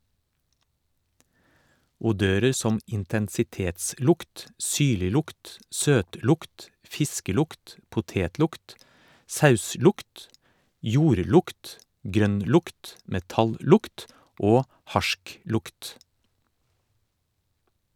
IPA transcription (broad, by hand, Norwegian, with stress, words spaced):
ʊˈdøːɾəɾ ˈsɔm ɪntɛnsɪˈteːtˌslʊkt ˈsyːɭɪˌlʊkt ˈsøːtˌlʊkt ˈfɪskəˌlʊkt pʊˈteːtˌlʊkt ˈsɑʉˌslʊkt ˈjuːɾˌlʊkt ˈɡɾœnˌlʊkt mɛˈtɑlˌlʊkt ˈoː ˈhɑʃˌklʊkt